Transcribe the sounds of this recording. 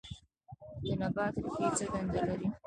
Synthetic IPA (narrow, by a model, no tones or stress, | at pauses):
d̪ənabɑt̪ɾket͡səɡand̪alaɾi